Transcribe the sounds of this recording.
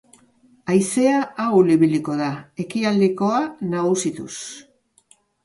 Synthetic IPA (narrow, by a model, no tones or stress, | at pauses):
ajse̞aːwliβiliko̞ðae̞kiald̪eko̞anaɣusit̪ṵs